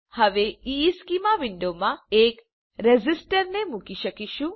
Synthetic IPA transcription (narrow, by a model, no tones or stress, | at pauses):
hɐʋeiːskimaʋiɳɖoːmaeːk | ɾezisʈɐɾnemukiʃɐkiʃu